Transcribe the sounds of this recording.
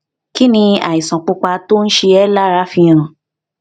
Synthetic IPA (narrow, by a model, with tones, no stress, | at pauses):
ki˦nĩ˧a̰˨i˨sã˨k͡pu˧k͡pa˧to˦n̩˦ʃe˧ɛ˦la˦ɾa˨˦fĩ˧ã˨